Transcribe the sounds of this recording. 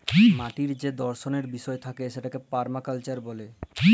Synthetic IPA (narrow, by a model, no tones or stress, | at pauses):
maʈiɾd͡ʑed̪ɔɾʃoneɾbiʃɔet̪ʰakeʃeʈakepaɾmakalt͡ɕaɾbɔle